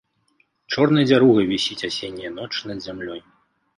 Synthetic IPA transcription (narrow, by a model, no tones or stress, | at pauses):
t͡ʂɔrnɨjɐd͡zʲaɾuɣɨvʲisʲit͡sʲasʲenʲːijɐnɔt͡ʂɨnɐd̪zʲamlʲɔj